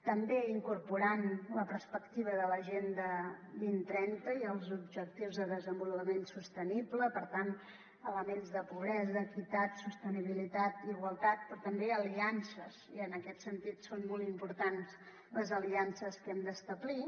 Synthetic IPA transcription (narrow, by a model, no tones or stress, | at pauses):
t̪əmbeiŋkuɾpuɾanləpəɾspəkt̪iβ̞əðələʒend̪əβint̪ɾɛnt̪əiəlˠzubʒək̚t̪iwzðəðəzəmbulupəmensust̪ənibləpəɾt̪an | ələmenzðəpuβ̞ɾɛzəkit̪at̪sust̪əniβ̞ilit̪at̪iɣwəlˠt̪at̪̚pɾɔt̪əmbeəliansəz̥iənəkɛt̪sənt̪it̪sonmɔlˠimpuɾt̪ans | ləzəliansəskɛmd̪əst̪əβli